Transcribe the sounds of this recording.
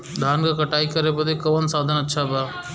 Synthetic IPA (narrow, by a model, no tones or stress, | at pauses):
d̪ʱaːnɡɐkɐʈaːikɐɾebɐd̪ekɐʋɐnsaːd̪ʱɐnɐtːʃʰabaː